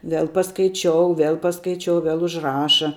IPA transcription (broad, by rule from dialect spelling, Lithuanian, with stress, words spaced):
ˈʋʲɛlˠ pɐskɐɪˈt͡ʃʲoːʊ ˈʋʲɛlˠ pɐskɐɪˈt͡ʃʲoːʊ ˈʋʲɛlˠ ʊʒˈrɑːʃɐ